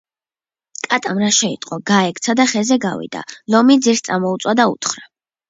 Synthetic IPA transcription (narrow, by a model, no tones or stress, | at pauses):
kʼat̪ʼamɾaʃɛḭt̪ʼqʼɔɡaɛkʰt̪sʰad̪aχɛzɛɡavḭd̪̥a̰lɔmid̪ziɾst̪sʼamɔut̪sʼwad̪aṵt̪χɾa